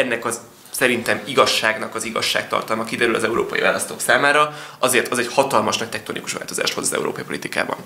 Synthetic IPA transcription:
ɛnːɛkɒz | sɛɾint̪ɛmiɡɒʃːaːɡnɒkɒziɡɒ̰ʃːa̰ːkt̪ɒ̰rt̪ɒlmɒkid̪ɛɾylɒzɛuɾoːpɒjḭva̰ːlɒst̪o̰ːksaːmaːɾɒɒzeːrt̪ɒzɛɟhɒt̪ɒlmɒʃnɒc̚t̪ɛk̚t̪o̞nḭkuʃʋa̰ːlt̪o̞za̰ːʃt̪ho̞zɒzɛ̰ṵɾo̰ːpɒipolit̪ika̰ːbɒ̰n

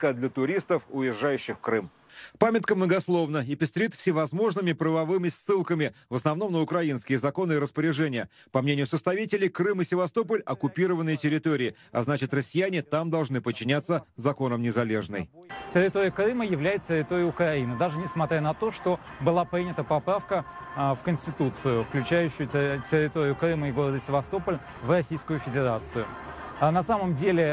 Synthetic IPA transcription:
kəd̪lʲət̪ʊɾʲist̪əfʊjɪʐːajʉɕːɪxkɾɨm | pamʲɪt̪̚kəmnəɡɐslˠo̞vnəɪpʲɪst̪ɾʲit̪fsʲɪvɐzmo̞ʐnɨmʲɪpɾəvɐvɨmʲɪsʲːɨlˠkəmʲɪvəsnɐvno̞mnəʊkɾɐinskʲɪjəzɐko̞nɨɪɾəspəɾʲɪʐɛnʲɪjə | pɐmnʲenʲɪjʊsəst̪ɐvʲitʲɪlʲɪjkrɨmɪsʲɪvɐst̪o̞p̬əlʲɐkʊpʲiɾəvənːɨjətʲɪɾʲɪt̪o̞ɾʲɪː | ɐ̰znat͡ɕɪt̪rəsʲːɪjænʲɪt̪amd̪ɐlˠʐnɨpət͡ɕːɪnʲat̪sːəzɐko̞nəmnʲɪzɐlʲe̞ʐnɨ̰j | tʲɪɾʲɪt̪oɾʲɪjəkɾɨməjɪvlʲæjɪt̪̚t̪ʲɪɾʲɪt̪oɾʲɪjʊʊkɾɐinɨd̪aʐɨnʲɪsmɐt̪ɾʲanɐt̪o̞ʂt̪o̞bɨlˠapɾʲinʲɪt̪əpɐpɾafkəfkənʲsʲtʲɪt̪ut̪sɨjʊfklʲʉt͡ɕæjʉɕːʊjʊtʲɪɾʲɪt̪oɾʲɪjʊkɾɨməɪɡo̞ɾəd̪əsʲɪvɐst̪o̞pəlʲ | vrɐsʲijskʊjʊfʲɪdʲɪɾat̪sɨjʊ | nɐsaməmdʲelʲɪ

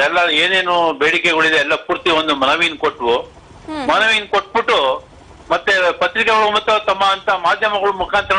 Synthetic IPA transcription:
ɛlːɐeːne̞ːnubeːɽikɛɡɐɭid̪eɛlːɐpuːɾt̪iond̪umɐnɐʋinkoʈːʋu | mɐnɐʋinkoʈ̚ːbiʈːu | mɐt̪ːepɐt̪ɾikɐɡɐɭumɐt̪ːot̪ɐmːɐːnt̪ɐmaːd̪ʱjɐmɐɡɐɭumukʰaːnt̪ɾɐ

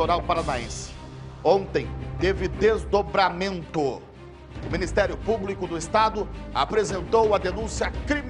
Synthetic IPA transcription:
oɾawpaɾanaḛ̃sɪ̥ | õnt̪ẽj̃t̪evɪd̪ezd̪obɾamẽnt̪ʊ | ʊmĩnist̪ɛɾjʊpublikʊd̪ʊɪst̪ad̪ʊa̰pɾezẽnt̪owɐd̪enũsiɐkɾim

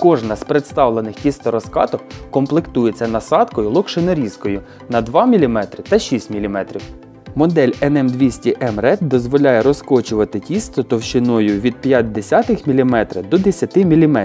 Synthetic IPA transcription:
kɔʐnɐsʲpɾet̪st̪ɑwlˠenɪxtʲist̪ɔɾɔskɑ̰t̪ɔkkɔmplˠekt̪ujet͡sʲːɐnɐsɑt̪kɔjʊlˠɔkʃenɔɾʲiskɔjʊ | nɐd̪ʋɑmʲilʲimɛt̪ɾɪt̪ɐʃʲisʲtʲmʲilʲimɛt̪ɾʲiw | mɔd̪ɛlʲɛnɛmd̪ʋʲisʲtʲiʔɛmrɛt̪̚d̪ɔzʋɔlʲajɛɾɔskɔt͡ʃʊʋɐt̪ɪtʲist̪ɔt̪ɔwʃɪnɔjʊʋʲid̪̚pʲjat̚ʲd̪esʲat̪ɪxmʲilʲimɛt̪ɾɪ̰d̪ɔd̪esʲɐt̪ɪmʲilʲimɛ

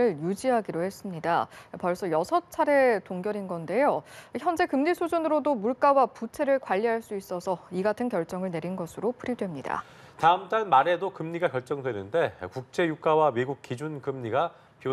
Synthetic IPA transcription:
ɯɭjud͡ʑiɦaɡiɾohe̞s͈ɯmɲidapʌɭs͈ʌjʌsʰʌt͡ɕʰaɾe̞toŋɡjʌɾinɡʌnde̞joiçjʌnd͡ʑe̞kɯmɲisʰod͡ʑunɯɾodomuɭk͈awaput͡ɕʰe̞ɾɯɭkwaʎːiɦaɭs͈uis͈ʌsʰʌiɡatʰɯnkjʌ̹ɭt͡ɕ͈ʌŋɯɭne̞ɾinɡʌsʰɯɾopʰuɾidwe̞mɲida̰ | taɯmt͈anmaɾe̞dokɯmɲiɡakjʌɭt͡ɕ͈ʌŋdwe̞nɯnde̞kuk̚t͡ɕ͈e̞juk͈awawiɡuk̚k͈id͡ʑunkɯmɲiɡa | pio

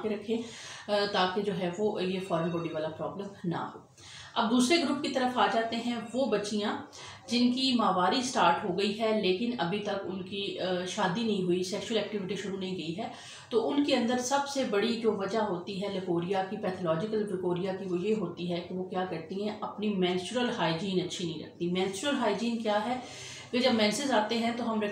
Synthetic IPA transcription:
keɾɐkʰːẽːt̪aːked͡ʒoːɦɛʋojefɔːɾə̃nbɔːɖiʋaːlapɾɔːbləmna̰ɦoː | ɐb̚d̪uːsɾeɡɾʊpkit̪ɐɾəfaːd͡ʒaːt̪eɦɛ̃ʋoːbɐtːt͡ʃijãː | d͡ʒɪnkimaːʋaːɾisʈaːɾʈɦoːɡɐiɦɛleːkɪnɐbʱit̪ɐkʊ̰nkiʃaːd̪inɐɦĩɦuisɛːkʃʊwəlɛːk̚ʈɪʋɪʈiʃʊɾunɐɦĩɡɐiɦɛː | t̪oːʔʊnkeɐ̃nd̪əɾsɐbsebɐɽid͡ʒoːʋɐd͡ʒaɦoːt̪iɦɛlɪkoːɾijakipɛːt̪ʰolɔːd͡ʒɪkəlpɾɪkoːɾijakiʋojeɦoːt̪iɦɛkeʋokjaːkɐɾt̪iɦɛ̃ʔɐpnimɛ̃ːnsɾəlɦaːɪd͡ʒiːnɐtːʃʰinɐɦĩɾɐ̰kʰt̪imɛ̃ːnsʊɾəlɦaːɪd͡ʒiːnkjaːɦɛ | ɡəd͡ʒɐbmɛ̃ːnsɪzaːt̪eɦɛ̃t̪oɦɐmɾɐ

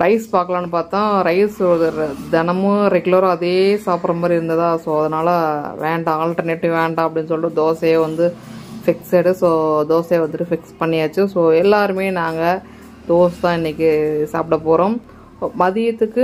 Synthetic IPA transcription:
ɾɐɪspaːkɐɭaːnːɯpaːɾt̪ãːɾɐɪsðd̪ɛnɐmɯ̃ɾɛɡɯlɐɾɐðeːsaːpɾɐmaːdɾiɪɾɯnd̪ɐðãːsoːɐðɐnaːlɐʋḛːɳɖãaːlʈɐɾneːʈːɪʋeːɳɖãːɐp̬ːɐɽɪnːɯs̬ɔlːrɯd̪oːseʋɐnd̪ɯfɪkseɽɯsoːd̪oːseːʋɐnd̪ɯʈːɯfɪkspɐɳːɪjaːt͡ʃːɯ̃soːɛlːaːɾɯmeːnaːŋɡɐ | d̪̥oːst̪ãːɪnːɪkʲːɯsaːpʈɐpoːɾõːm | mɐðɪjɐt̪ːɯkːɯ

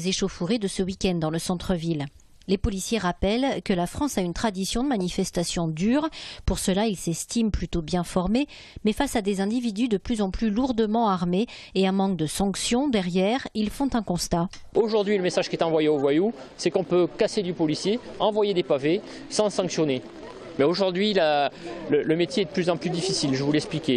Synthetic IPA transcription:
zeʃofuʁed̪əsəwikʲɛnd̪ɑ̃ləsɑ̃t̪χəvil | lepɔlisjeʁapɛlkəlafχɑ̃saynt̪χad̪isjɔ̃d̪əmanifɛst̪asjɔ̃d̪yʁpuʁsəlailsɛst̪implyt̪objɛ̃fɔʁme | mɛfasad̪ezɛ̃d̪ivid̪yd̪əplyzɑ̃plyluʁd̪əmɑ̃aʁmeeɛ̃mɑ̃k̚d̪əsɑ̃ksjɔ̃d̪ɛʁjɛʁilfɔ̃t̪ɛ̃kɔ̃st̪a | oʒuʁd̪ɥiləmesaʒkʲiɛt̪ɑ̃vwajeovwaju | sɛkɔ̃pøkased̪ypɔlisjeɑ̃vwajed̪epave | sɑ̃sɑ̃ksjɔne | mɛoʒuʁd̪ɥilalələmet̪jeɛd̪əplyzɑ̃plyd̪ifisilʒəvulɛksplikʲe

